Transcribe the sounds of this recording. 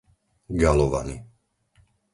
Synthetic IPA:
ɡalɔʋa̰nḭ

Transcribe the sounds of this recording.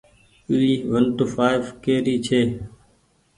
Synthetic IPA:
iiːʋənʈ̪ufaːɪʋkeːɾiːt͡ʃʰeː

